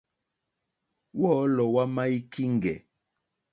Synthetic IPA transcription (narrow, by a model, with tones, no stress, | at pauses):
wɔ˦lɔ˨wa˦ma˦i˦ki˦ŋ˨ɡɛ˨